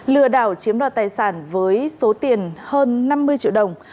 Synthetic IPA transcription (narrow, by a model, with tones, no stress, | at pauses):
lɨ˧˩əɗaː˧˩wt͡ɕi˨˦əmɗwa̰ː˧˨˩t̪aː˨˩jsaː˧˩nvəː˨˦jso˨˦t̪i˨˩ənhəː˧nːa˧mːɨ˧əjt͡ɕḭ˧˨əwɗə˨˩wŋ͡m